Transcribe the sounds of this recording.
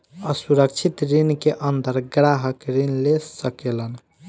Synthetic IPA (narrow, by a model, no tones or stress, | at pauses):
əsuɾək̚t͡ʃʰit̪ɾinkeʔənd̪əɾɡɾaɦəkɾinlesəkelən